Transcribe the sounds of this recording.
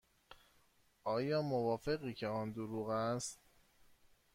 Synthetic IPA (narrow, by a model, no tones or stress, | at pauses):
ʔɒːjɒːmovɒːfe̞ɣiːcʰe̞ɒːnd̪oɾuːɣæst̪